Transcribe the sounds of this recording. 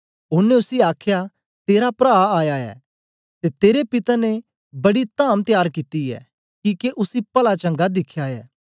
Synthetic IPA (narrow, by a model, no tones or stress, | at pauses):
ʊːnːeʊsiaːkʰja | t̪eːɾapɾaːaːjaɛ̰ː | t̪et̪eːɾepɪt̪ane | bɐɽit̪ãːmt̪jaːɾkit̪iɛ̰ː | kiːkeʔʊsipɐlat͡ʃɐ̃ŋɡad̪ɪkʰjaɛ̰ː